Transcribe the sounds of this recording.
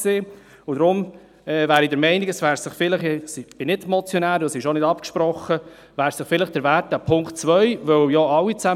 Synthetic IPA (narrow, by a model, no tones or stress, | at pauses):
seː | ʊd̥̪ɾʊm | ɛːvæːɾidəɾmɛɪniɡəsʋæːɾsɪχfɪləχɛsɪb̥ɪnɪdmɔt͡sjɔnæːɾɔsɪʃonɪdɑpkʃpɾɔχːə | væːɾsɪχfɪləχd̥əɾvæːt̚dæpʰʊŋkt̚t͡sʋœʏvœwjɔɑwːit͡sæ